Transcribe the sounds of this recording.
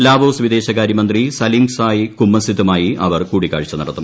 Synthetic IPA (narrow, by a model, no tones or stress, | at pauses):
laːbo̞ːsʋid̪e̞ːɕɐkaːɾjɐmɐnd̪risɐlimsaːjikumːɐsit̪ːumaːjiʔɐ̰ʋɐrkuːɽikːa̰ːɻit͡ɕːɐnɐɽɐt̪ːum